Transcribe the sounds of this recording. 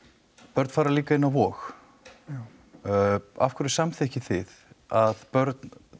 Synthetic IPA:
pœɾt̪faːɾaliːkaɪnːavɔːx | a̰fkʰʏɾɪsamθehcɪθɪðaðpœɾt̪n

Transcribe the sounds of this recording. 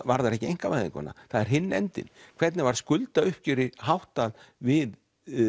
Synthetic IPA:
vaɾðaɾɛhcɪejŋ̥kamajðɪ̰ŋkʰɔ̰na̰θaðɛɾ̥ɦɪnːɛ̰nt̪ɪ̰nkʰv̥ɛɾt̪nɪvaɾ̥skʏlt̪aʏhp̚cʏɾɪɦawht̪alvɪð

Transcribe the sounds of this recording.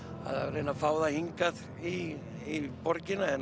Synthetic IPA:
a̰ða̰vɾeːnafaːwðahiŋkað | i | ipɔɾcɪnaɛn

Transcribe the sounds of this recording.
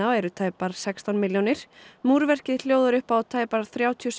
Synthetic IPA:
aɛɾʏt̪ʰaːjpaɾ̥sɛkst̪awnmɪljownɪɾ̥muːɾvɛr̥cɪl̥joːwðʏɾʏhpawt̪ʰaːjpaɾ̥θɾjaːwt̪ʰiɔs

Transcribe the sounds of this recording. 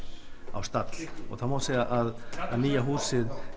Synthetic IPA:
awst̪at̪l̥ɔ̰ɣθaðmaːseaʔaðaðniːjaɦuːsɪð

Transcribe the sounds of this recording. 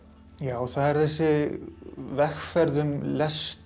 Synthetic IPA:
jaːwθaðɛɾ̥θɛsːɪ | vɛxfɛɾðʏmlɛst

